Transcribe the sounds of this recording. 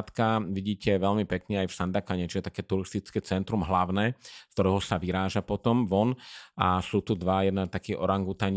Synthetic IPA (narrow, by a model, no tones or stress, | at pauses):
t̪kaʋiɟiːcɛʋɛʎmipɛkɲɛajfsand̪akaɲɛt͡ʃiʒɛt̪ḁkɛːt̪uɾist̪it͡skɛːt͡sɛnt̪ɾumɦlaʊnɛːkt̪ɔɾɛːɦɔsaʋiɾaːʒapɔt̪ɔmʋɔnasuːt̪ud̪ʋajɛd̪nat̪akiːʔɔɾaŋɡut̪aɲ